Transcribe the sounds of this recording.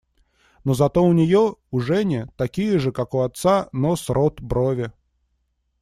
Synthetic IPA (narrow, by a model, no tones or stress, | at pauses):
nozɐt̪oʊnʲɪjoʊʐɛnʲɪt̪ɐkʲijəʐɨkakʊɐt̪sanosɾot̪bɾovʲɪ